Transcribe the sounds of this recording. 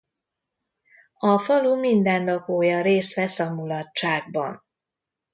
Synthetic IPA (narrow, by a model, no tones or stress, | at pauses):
ɒfɒlumind̪ɛnd̪ɒkoːjɒɾeːst̪ʋɛsɒmulɒtt͡ʃaːɡ̚bɒ̰n